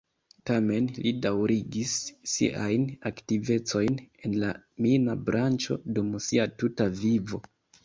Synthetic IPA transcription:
tame̞nlidawɾiɡisːḭʔajnaktive̞t͡so̞jne̞nlaminabɾant͡ʃo̞dumsiatutavivo̞

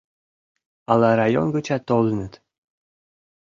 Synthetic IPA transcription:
ɑlˠɑɾɑjo̰nɡɤ̆t͡ɕɑt̪ːol̆ˠnə̆t̪

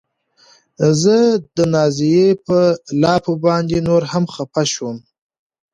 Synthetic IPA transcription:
zəd̪ənɑzijepəlɑpobɑnd̪enoɾhamxapaʃwəm

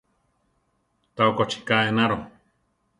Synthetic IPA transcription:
t̪aokot͡ʃi̥kaenaɾo

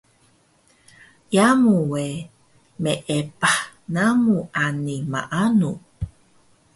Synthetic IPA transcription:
jamuwe | meʔepahnamuʔanima̰ʔanu

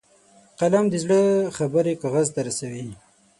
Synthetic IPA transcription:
qalamd̪əzɽəxabəɾekaɣazt̪aɾasawi

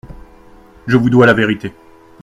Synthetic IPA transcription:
ʒəvud̪walaveʁit̪e

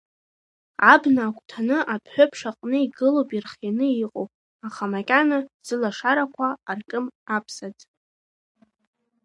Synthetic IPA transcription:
abnaːkʷʰʼtʰanɨʔapʰħʷopʰʂaqʼnɨiɡɨlowpʼirχjanɨiqʼowpʼ | aχamakʲʼanaz̥ɨlaʂaɾakʷʰaːrkʼɨmapʰsad͡z

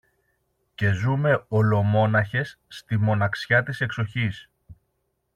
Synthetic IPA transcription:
ce̞zume̞o̞lo̞mo̞nɐçe̞sːt̪imo̞nɐksçɐt̪ise̞kso̞çis

